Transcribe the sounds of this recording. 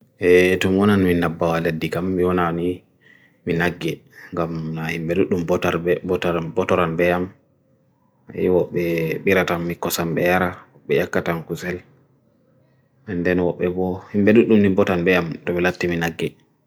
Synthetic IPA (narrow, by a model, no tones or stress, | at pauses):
ʔɛtɔmiwɔnaniminabːawaledːikamːiwɔnani | minaɡːɛŋɡamnahimɓɛɗuɗumbɔtaɾbɔbɔtɔɾanbɛam | ɛ̰wɔɓːɛɓiɾatamːikːɔsamɓɛ̰jaɾawɔɓːɛjakːatankusɛl | ɛndɛnwɔɓːɛbɔhimɓɛɗuɗːumnibɔtanbɛamtɔɓɛlatːiminaɡːɛ